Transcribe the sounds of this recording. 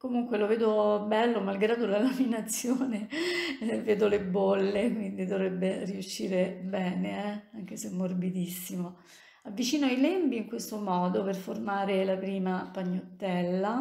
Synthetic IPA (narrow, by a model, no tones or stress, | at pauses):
komuŋkweloveːd̪obɛlːomalɡɾaːd̪olalaminat̪sːjoːne | veːd̪olebolːekwind̪id̪ovɾebːeriuʃːiːɾebɛːneɛaŋk̟esemːorbid̪isːimo | avːit͡ʃiːnoajlembiiŋkwest̪omɔːd̪operformaːɾelapɾiːmapaɲːot̪ːɛlːa